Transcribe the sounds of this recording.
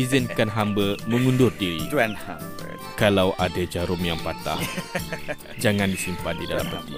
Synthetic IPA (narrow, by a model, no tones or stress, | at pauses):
izənkanɦambəməŋundʊrdiɾḭɛnhambə̰ | kalawʔadad͡ʒaɾʊmjaŋpat̪a̰h | d͡ʒaŋãndisimpandidala̰mpət̪i